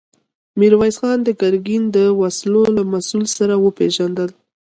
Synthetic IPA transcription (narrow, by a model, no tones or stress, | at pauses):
miɾwɑjsxɑnd̪əɡaɾɡind̪əwaslolamasulsaɾawəpeʒand̪əl